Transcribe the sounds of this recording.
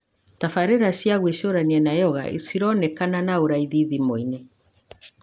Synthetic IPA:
tafaɾeɾasiaɣweʃoɾaniɛnajɔɣa̰ʔḭsiɾɔnɛkananaoɾaiðiðimoine

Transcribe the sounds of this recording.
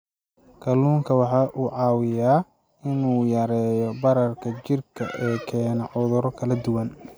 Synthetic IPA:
kʰɐluːŋkʰɐwɑħɑːʔuːʕɑːwɪjaː | ɪnuːjɐɾɛːjɔbɐɾɐrkʰɐt͡ʃɪrkʰɐ̰ʔɛːkʰɛːnɐʕʊðʊɾɔkʰɐlɐd̪ʊwɐn

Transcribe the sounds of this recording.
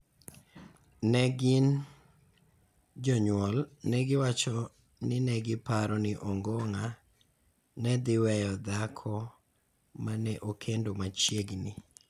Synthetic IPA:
nɛɡɪn | d͡ʒɔɲwɔlnɛɡɪwat͡ʃɔ | nɪnɛɡɪpaɾɔnɪʔoŋɡoŋa | nɛd̪ɪwɛjɔd̪akʰɔ | manɛʔokʰendomat͡ʃjeɡnɪ

